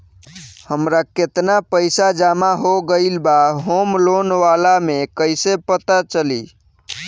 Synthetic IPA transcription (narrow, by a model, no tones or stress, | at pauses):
həmɾaket̪napəɪsad͡ʒamaɦoɡəɪlbaɦomlonʋalamekəjsepət̪at͡ʃəli